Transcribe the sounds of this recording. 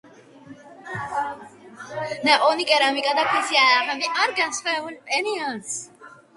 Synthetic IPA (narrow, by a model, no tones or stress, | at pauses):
nɛʔʼɔnikʼɛɾamikʼad̪akʰisialamɛbiʔaɾɡansvɛbulpʼɛnians